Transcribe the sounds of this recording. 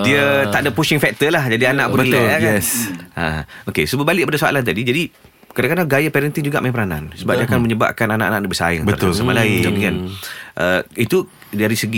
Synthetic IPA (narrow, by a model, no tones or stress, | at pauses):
diət̪aʔdapuʃɪŋfɛk̚t̪əlahd͡ʒadianãʔpunbəlaakɛsaokesubəbalɪk̚padasoa̰lant̪̬adid͡ʒadi | kadãkadaŋɡajapɛɾɛnt̪ind͡ʒuɡaʔmaĩpəɾanã̰nsəbap̚diakanməɲəba̰ʔ̚kananaʔanãʔnabəsa̰ə̰ŋbəat̪ʊsamalaɪnkanʔəit̪u | daɾisəɡi